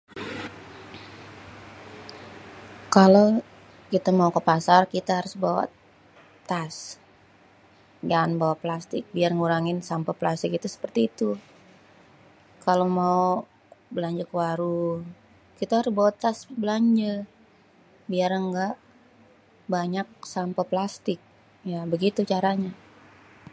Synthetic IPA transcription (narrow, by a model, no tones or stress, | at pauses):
kalo | kit̪amaukəpasarkit̪aɦaɾʊsbawa̰ | t̪as | d͡ʒanbawaplast̪ɪk̚biarŋuɾaŋɪnsampaplast̪ɪkit̪asə̥pərt̪iːt̪u | kalomau | bəlaɲd͡ʒəkəwaɾu | kit̪ahaɾʊsbawat̪asbəlaɲd͡ʒə | biarəŋɡaʔ | baɲak̚sampaplast̪ɪk̚ | jabəɡit̪ut͡ʃaɾaɲa